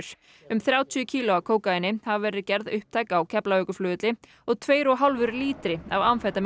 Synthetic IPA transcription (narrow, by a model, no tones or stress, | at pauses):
ɾ̥ | ʏmθɾjaːwt̪ʰjʏcʰiːlʊakʰoːwkaɪnːɪhavvɛːɾɪcɛɾðʏhp̚t̪ʰaːjkaːwcʰɛplaœkʏflʏːðt̪lɪ | ɔɣt̪ʰveːjɾɔɣɦalvʏɾliːt̪ɾɪavawnfɛt̪am